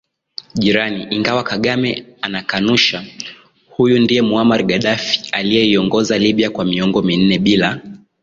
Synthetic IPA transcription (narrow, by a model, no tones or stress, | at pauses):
ʄiɾaniʔiŋɡawakaɠamɛanakanuʃa | hujundijɛmuamaɾɡaɗafi̥alijɛiɔŋɡɔzaliɓiakwamiɔŋɡɔmin̩nɛɓila